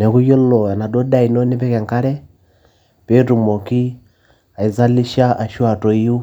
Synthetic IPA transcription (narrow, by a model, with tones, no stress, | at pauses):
nɛ˨ku˦jɔ˦lɔ˨a˨na˨dɔ˦da˦i˨nɔ˦ne˦pɛ˦kɛ˨ŋka˦ɾɛ˦ | pe˦tu˨mɔ˨ki˦ | a˨i˨za˦li˦ʃa˦ʔa˨ʃwa˨tɔ˨i˦ju˦